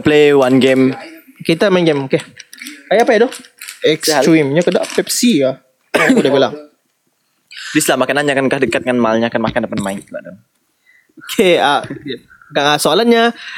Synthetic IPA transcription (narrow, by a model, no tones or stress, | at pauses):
plewanɡem | keit̪amainɡemokekajaapajadʊhɛkswimɲakəda̰pɛp̚sia | kudabilaŋ | dislamakanaɲakankahdəkat̪̚ŋanmalɲakanmakandəpanmaɪnbaʔdɔ | okʰea | ɡaŋasoalanɲa